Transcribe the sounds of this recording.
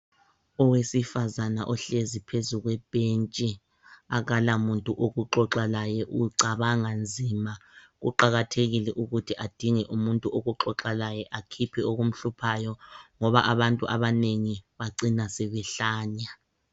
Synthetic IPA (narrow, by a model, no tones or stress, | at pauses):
ɔwesifazana̰ʔɔɬezipʰezuɣwɛb̥ʱent͡ʃʼi | aɣalamuntʼuʔoɣuǃɔǁalajɛʔuǀaβaŋand͡zʱima | ɣṵǃaɣatʰeɣilɛʔuɣutʰiʔad̥ʱiŋɛʔumuntʼuoɣuǁɔǁalajɛʔakʰipʰioɣum̩ɬupʰajɔŋɔβa̰ʔaβantʼuʔaβaneŋiβaǀinasɛβɛɬaːɲa